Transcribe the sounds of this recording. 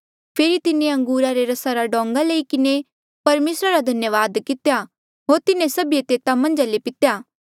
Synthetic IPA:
pʰeːɾit̪ɪnẽɐ̃ŋɡuːɾaɾeɾɐsaɾaɖɔ̃ːŋɡaləikɪne | pɐɾmeːsɾaɾad̪ʱɐnjəʋaːd̪kɪt̪ja | ɦoːɾt̪ɪnẽsɐbijet̪eːt̪amɐ̃nd͡ʒalepɪt̪jaː

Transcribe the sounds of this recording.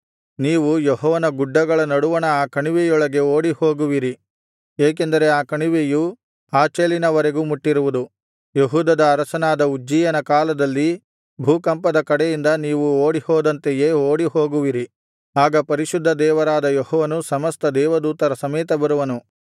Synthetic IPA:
niːʋujeɦɔːʋɐnɐɡuɖːɐɡɐɭɐnɐɽuʋɐnɐaːkɐɳiʋejɔɭɐɡe̞oːɽihoːɡuʋiɾi | eːk̬end̪ɐɾe̞aːkɐɳiʋeju | aːt͡ʃeːlinɐʋɐɾe̞ɡuːmuʈːiɾuʋud̪u | jeɦuːd̪ɐd̪ɐːɾɐsɐnaːd̪ɐud͡ʒːiːjɐnɐkaːlɐd̪ɐlːi | bʱuːkɐmpɐd̪ɐkɐɽejind̪ɐniːʋuoːɽihɔːd̪ɐnt̪ejeːoːɽihoːɡuʋiɾi | aːɡɐpɐɾiʃud̪ʱːɐd̪ɛːʋɐɾaːd̪ɐjɔhɔːʋɐnusɐmɐst̪ɐd̪ɛːʋɐd̪uːt̪ɐɾɐsɐmɛːt̪ɐbɐɾuʋɐnu

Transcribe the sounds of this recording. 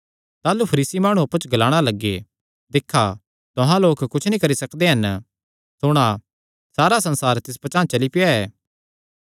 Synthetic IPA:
t̪aːlupʰɐɾiːsimaːɽ̃ũɐpːət͡ʃʰɡɐlaːɽ̃alɐɡːḛ | d̪ɪkʰːa | t̪ʊɦãloːkkʊt͡ʃʰnĩkɐɾisɐkd̪eɦɐn | sʊɽ̃a | saːɾasɐ̃nsaːɾt̪ɪs̬pɐt͡ʃãːt͡ʃɐlipɪjaɛː

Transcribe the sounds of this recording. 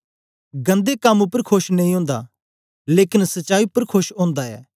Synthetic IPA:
ɡɐ̃nd̪ekɐmʊpːəɾkʰoʃnɐ̃ĩɦõːnd̪a̰ | leːkɪnsɐʃaːipəɾkʰoʃɦõːnd̪aɛ̰ː

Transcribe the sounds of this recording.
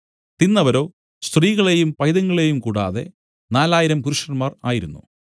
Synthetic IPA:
t̪inːɐʋɐɾo̞ː | st̪riːɣɐɭe̞jumpɐjðɐŋːɐɭe̞jumkuːɽa̰ːðe̞̰ | naːlaːjiɾɐmkuɾuʂɐnmaːraːjiɾunːṵ

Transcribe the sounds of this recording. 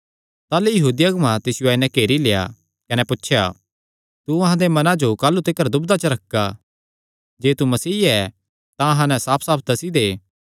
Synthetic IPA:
t̪aːlejɐɦuːd̪ijɐɡmãt̪ɪsɪjoɛːnɛ̃keːɾileja̰ | kɐnɛpʊtːʃʰja̰ | t̪uɐ̃ɦãd̪emɐnãd͡ʒokaːlːut̪ɪkːəɾd̪ʊbd̪at͡ʃɐɾɐkːa | d͡ʒeːt̪umɐsiːɛ | t̪ãɦãnɛ̃saːpʰsaːp̚ʰt̪ɐsid̪eː

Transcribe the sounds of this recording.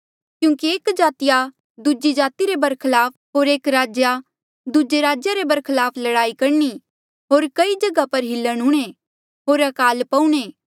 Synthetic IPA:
kjũːkieːkd͡ʒaːt̪ɪja | d̪ud͡ʒid͡ʒaːt̪iɾebɐɾkʰɪlaːpɦoːɾeːkɾaːd͡ʒja | d̪ud͡ʒeɾaːd͡ʒjaɾebɐɾkʰɪlaːpʰlɐɽaːikɐɾni | ɦoːɾkɐid͡ʒɐɡapɐɾɦɪlːəɽ̃ʊɽ̃e | ɦoːɾɐkaːlpɐuɽ̃eː

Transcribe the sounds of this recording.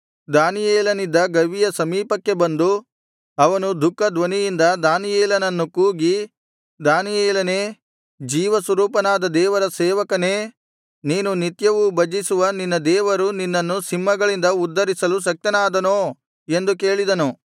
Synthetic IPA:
d̪aːnijeːlɐnid̪ːɐɡɐʋijɐsɐmiːpɐkːe̞bɐnd̪u | ɐʋɐnud̪ʱukːɐd̪ʋɐnijind̪ɐd̪aːnijeːlɐnɐnːukuːɡi | d̪aːnijeːlɐne̞ː | d͡ʒiːʋɐsʋɐɾuːpɐnaːd̪ɐd̪ɛːʋɐɾɐsɛːʋɐkɐne̞ː | niːnunit̪jɐʋubɐd͡ʒisuʋɐninːɐd̪ɛːʋɐɾuninːɐnːusimːɐɡɐɭind̪ɐud̪ːɐɾisɐlus̬ɐk̚t̪ɐnaːd̪ɐnoː | e̞nd̪ukeːɭid̪ɐnu

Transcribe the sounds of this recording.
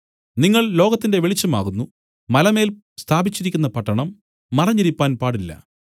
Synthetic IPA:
niŋːɐɭlo̞ːɣɐt̪ːinde̞ʋeɭit͡ɕːɐma̰ːɣunːu | mɐlɐme̞ːl | st̪ʰaːbit͡ɕːiɾikʲːunːɐpɐʈːɐɳɐmː | ɐrɐɲːiɾipːaːnpaːɽilːɐ̰

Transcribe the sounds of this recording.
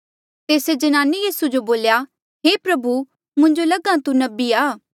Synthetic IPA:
t̪eːsed͡ʒɐnaːnijiːsud͡ʒoboːlja | ɦeːpɾɐbu | mʊ̃ɲd͡ʒolɐɡãt̪unɐbiaː

